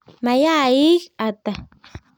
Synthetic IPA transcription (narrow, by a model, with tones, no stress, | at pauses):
ma˨ja˦i˦kat̪a˨